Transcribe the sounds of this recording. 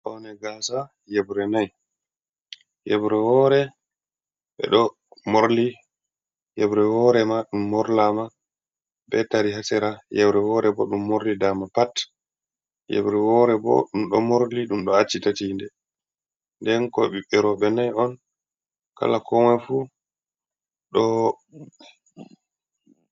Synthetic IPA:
ʔɔnɛɡaːsa | jɛbɾɛnaj | jɛbɾɛwɔːɾɛ | ɓɛ̰ɗɔ | moɾli | jɛbɾɛwɔːɾɛmaɗumːɔɾlama | bɛtaɾiɦasɛɾajɛbɾɛwɔɾɛbɔ̰ɗumːoɾlidamapat | jɛ̰bɾɛwɔɾɛbɔ̰ɗumɗɔ̰moɾliɗumɗɔat͡ʃːitatindɛ | ndɛnkɔɓiɓɛɾɔɓɛnajɔn | ka̰lakɔmɛfu | ɗɔ

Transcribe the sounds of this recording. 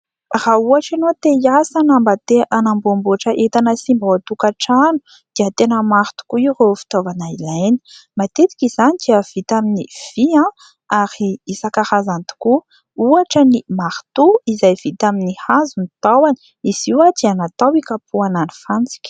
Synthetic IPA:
rauaʈ͡ʂanot̪eiasanambət̪eʔanambumbuaʈ͡ʂəʔet̪anəsimbot̪ukaʈ͡ʂanu̥ | d̪̥iət̪enəmaɾt̪u̥kuiurefi̥t̪ovanailajni̥mat̪et̪i̥kizanid̪̥iəv̥it̪aminiv̥iã | aɾiisakaɾazant̪u̥ku | uaʈ͡ʂənimaɾt̪uizajv̥it̪aminihazunit̪awani̥ | iz̥iwad̪ianat̪awikapʰuanani̥fant͡si̥kʲə̥

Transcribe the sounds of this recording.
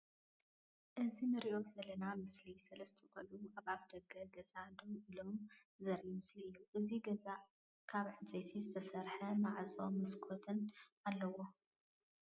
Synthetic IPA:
ʔɨzinɨɾiʔo̞zɐlɐnamɨslisɐlɐst̪ʰiχʼɐluʔaβafd̪ɐɡɐɡɐzʼad̪owilom | zɐɾʔumɨsliʔɨjːuʔɨziɡɐza | kʰaβʕɨt͡sʼet̪ʰizɨt̪ʰɐsɐɾħɐmaʕsʼomɨskʰot̪ʰɨnalːɐwo

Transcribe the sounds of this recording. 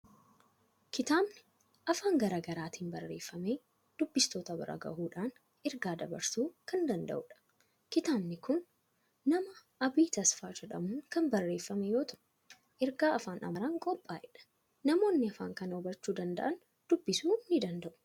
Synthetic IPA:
kɪt̪aːbnɪ | ʔɐfaːŋɡɐɾɐːɡɐɾaːt̪iːnbɐrːe̞ːfːɐme̞ː | d̪̥ʊbːɪst̪o̞ːt̪ɐbɐ̰ɾʔɐ̰ɡɐ̰ʔuːᶑaːn | ɛɾɡaːd̪ɐbɐ̰ɾsuːkɐnd̪ɐnd̪ɐ̰ʔʊᶑɐ̥ | kɪt̪aːbnɪkʊnː | ɐmɐʔɐbiːt̪ɐsfaːd͡ʒɛᶑɐmuːŋkɐnbɐrːe̞ːfːɐmɛjo̞ːt̪ʰɐʔ | ʔɛɾɡaːɐfaːnʔɐ̰mɐɾaːŋkʼɔpʼːaːʔɛᶑɐ̥ | nɐmo̞ːnːɪɐfaːŋkɐnɔbɐt͡ʃːuːd̪ɐnd̪ɐ̰ʔɐn | d̪̥ʊbːɪsuːnɪd̪ɐnd̪ɐʔʊ̥

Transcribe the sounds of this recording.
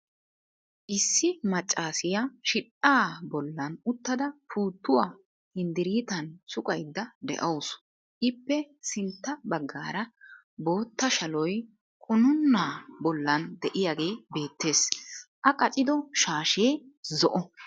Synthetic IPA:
ʔɪsːɪmɐt͡ʃʼːaːsɪjaʃɪᶑʼaːbɔlːɐnʊt̪ːɐd̪ɐfʰuːt̪ːʊwa | hɪnd̪ɪɾiːt̪ɐnsʊkʼɐjd̪ːɐd̪ɛ̰ʔɐws | ʔɪpːɛsɪnt̪ːɐbɐɡːaːɾɐ | bo̞ːt̪ːɐʃɐlɔj | kʼʊnʊnːaːbɔlːɐnd̪ɛʔɪjaɡe̞ːbe̞ːt̪ːe̞ːsʔɐkʼɐt͡ʃʼɪd̪ɔʃaːʃeːzɔʔɔ

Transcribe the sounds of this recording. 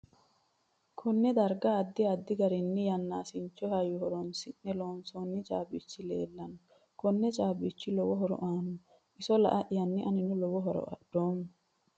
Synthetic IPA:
kʰɔnːɛd̪ɐɾɡɐːd̪ːɪɐd̪ːɪɡɐɾɪnːɪjɐnːaːsɪnt͡ʃːɔhɐjːʊhɔɾɔnsɪnːɛloːnsɔnːɪt͡ʃʼa̰ːbɪt͡ʃːɪle̞̰ːlːɐnɔ | kɔnːɛt͡ʃʼaːbɪt͡ʃːɪlɔwɔɦɔɾɔ̰ʔaːnɔ | ʔɪsɔlɐ̰ʔɐʔjɐnːɪʔɐnɪnʊlɔwɔɦɔɾɔ̰ɐ̰d̪̥oːmʊ

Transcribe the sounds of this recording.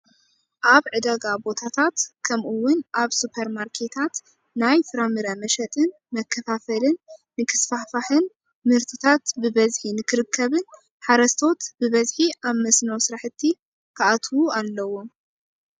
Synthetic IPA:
ʔaβʕɨd̪aɡabo̞t̪ʰat̪ʰat̪kʰɐmʔuwʊnʔaβsupʰɐɾmaɾkʰe̞t̪ʰat̪ | najfɨɾamɨɾɐmɐʃɐt̪ʼɨn | mɐkʰːɐfafɐlɨnː | ɨkʰɨ̥sfafaħɨn | mɨɾt̪ʰɨt̪ʰat̪bɨbɐzħinɨkʰɨɾɨkʰːɐβɨn | ħaɾɐst̪ʰo̞t̪bɨβɐzħiʔaβmɐsnɐwsɨɾaħɨt̪ʰːi | kʰaʔat̪ʰwualːɐwo

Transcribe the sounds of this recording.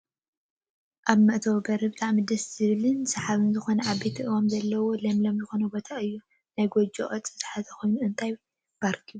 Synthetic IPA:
ʔaβmɐʔt̪ʰɐwɡɐɾɨbɨt̪ʰʼaʕmɨd̪ɐsz̥ɨβɨlɨnsɐħaβɨnzɨxo̞nɐʔaβbet̪ʰiʔɨwamzɐlːɐwo̞lɐmlɐmzɨxo̞nɐbot̪ʰaɨjːu | najɡod͡ʒo̰ʔʼɐt͡sʼːɨzɨ̥ħazɐkʰo̞jnuɨnt̪ʰaj | b̥aɾkʰi

